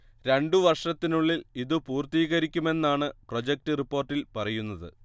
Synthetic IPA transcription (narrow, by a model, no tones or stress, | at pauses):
ɾe̞ɳɖuʋɐrʂɐt̪ːinuɭːiliðɨpuːrt̪iːɣɐɾikʲːume̞nːaːɳɨpro̞d͡ʑek̚tɨripːo̞ːrʈːilpɐrɐjunːɐðɨ̰